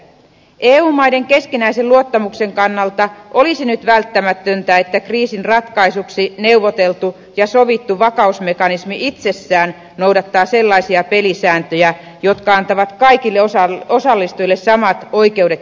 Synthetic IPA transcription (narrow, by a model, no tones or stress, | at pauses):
ʔeːuːmɑjde̞ŋke̞skinæiselluot̪ːɑmukse̞ŋkɑnːɑlt̪ɑʔo̞lisinyt̪ʋælt̪ːæmæt̪ønt̪æet̪ːækriːsinrɑt̪kɑisuksine̞uʋot̪e̞lt̪u | jɑso̞ʋit̪ːuʋɑkɑusmekɑnismiʔit̪se̞sːæːn | nowdɑt̪ːɑːse̞lːɑisiɑpe̞lisæːnt̪øjæ | jo̞t̪kɑɑnt̪ɑʋɑt̪kɑikilːeɑo̞sɑlːist̪uilːessɑmɑt̪o̞ike̞udet̪